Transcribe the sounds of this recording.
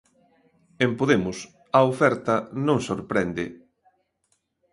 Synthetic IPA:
empoðemʊs | ɐofɛɾt̪ɐnõŋsoɾpɾɛnd̪ɪ

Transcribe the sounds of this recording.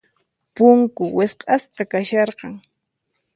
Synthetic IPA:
pʊŋkʊwɪsqʼɑsqɑkaʃɑɾqɑŋ

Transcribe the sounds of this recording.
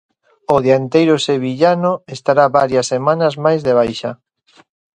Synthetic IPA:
oðeant̪ejɾoseβ̞iʎanoest̪aɾaβaɾjɐsːemanɐzmajzðeβ̞ajʃa

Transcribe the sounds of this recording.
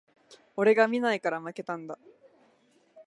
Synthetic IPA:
o̞ɾe̞ɡamʲinaikaɾamake̞t̪ãnd̪a

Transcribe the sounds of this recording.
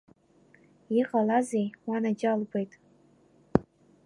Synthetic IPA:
iqʼalazejwanad͡ʒalɡʷejtʼ

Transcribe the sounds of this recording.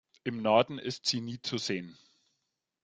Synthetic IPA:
ʔɪmnɔɐdn̩ɪstz̥iːniːt͡suzeːən

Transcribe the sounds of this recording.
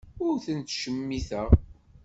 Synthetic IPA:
ʊɾθənt̪ʃəmːiθəʁ

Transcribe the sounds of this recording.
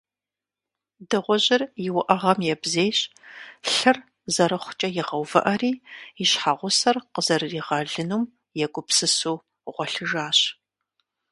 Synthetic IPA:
dɨʁʷɔʑɪrjɪwʊʔɐʁɐmjɛbzeːjɕɬɨr | zɐɾɐχʷʊ̥t͡ʃʼɐjɪʁɐwvɨ̰ʔɐriːɪɕħaːʁʷʊsɐrqəzɐrɨriːʁɐɮɨnuːm | jɛɡʷʊpsɨsuː | ʁʷɔɬɨʒaːɕ

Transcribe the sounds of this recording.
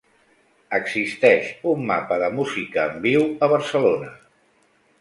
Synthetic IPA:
əɡzist̪ɛʃumːa̰pəðəmuzikəːmbiwəβ̞əɾsəlonə

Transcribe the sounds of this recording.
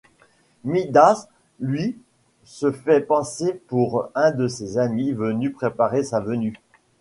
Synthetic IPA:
mid̪as | lɥi | səfɛpɑ̃sepuʁɛ̃d̪əsezamivənypχepaʁesavəny

